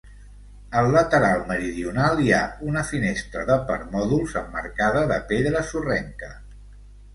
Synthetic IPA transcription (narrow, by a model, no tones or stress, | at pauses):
əlːət̪əɾalˠməɾiðiunalˠiaunəfinest̪ɾəðəpəɾmɔðulˠzəmːə̰ɾkaðəðəpeðɾəsurɛŋkə